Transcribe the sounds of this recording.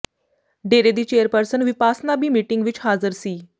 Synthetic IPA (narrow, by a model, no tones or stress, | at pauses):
ɖeɾed̪iːt͡ɕejəɾpəɾsənʋipasnabiːmiːʈiŋɡʋiːt͡ɕɦad͡zəɾsiː